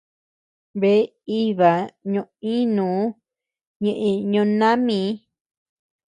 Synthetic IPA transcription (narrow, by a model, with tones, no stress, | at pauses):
βe˨˦ | i˦βa˨ɲõ˧ʔĩ˦nũː˨˦ | ɲẽ˧ʔẽ˧ɲõ˧nã˦mĩ˨˦